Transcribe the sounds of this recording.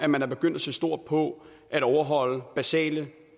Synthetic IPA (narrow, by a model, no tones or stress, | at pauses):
æmænæɐbe̝ɡ̥øn̰d̥æsesd̥o̝ɐ̰d̥̚pʰɒ̽ | ʔæɾɒʊɐɦɒ̽l̰əb̥æsɛ̰ːlə